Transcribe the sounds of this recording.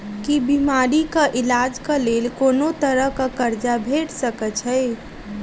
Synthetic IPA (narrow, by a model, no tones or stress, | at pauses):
kibimaɾikəʔilad͡ʒkəlelkonot̪əɾəɦkakəɾd͡ʒabʱeʈsəkət͡ʃʰɛj